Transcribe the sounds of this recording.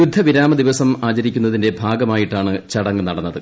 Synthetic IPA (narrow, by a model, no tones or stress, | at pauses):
jud̪ʱːɐʋiɾaːmɐd̪iʋɐsɐmaːt͡ɕɐɾikʲːunːɐðinde̞bʱaːɡɐmaːjiʈːaːɳɨt͡ɕɐɽɐŋːɨnɐɽɐnːɐðɨ